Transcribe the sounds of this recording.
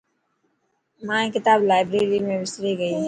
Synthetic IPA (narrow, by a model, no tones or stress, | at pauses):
mãːẽkɪt̪aːblaːɪbɾeːɾimẽbɪsɾiɡɐiː